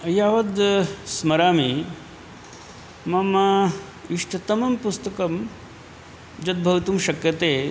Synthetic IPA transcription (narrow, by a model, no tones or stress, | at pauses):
ɐjaːʋɐd̪smɐɾaːmi | mɐmɐ | iʂʈʰɐt̪ɐmɐmpust̪ɐkɐm | d͡ʒɐt̪̚bʱɐʋt̪umʃɐkjɐt̪eː